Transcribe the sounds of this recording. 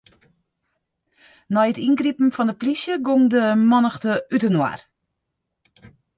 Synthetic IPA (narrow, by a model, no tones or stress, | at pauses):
nɔjətinɡripn̩fɔndəplisjəɡomdəmɔnəxtəytənwa̰r